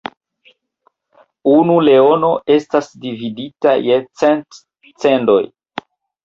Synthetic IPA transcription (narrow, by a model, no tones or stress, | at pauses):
unule̞o̞no̞e̞stasdividita̰jet͡sent | t͡sendo̞j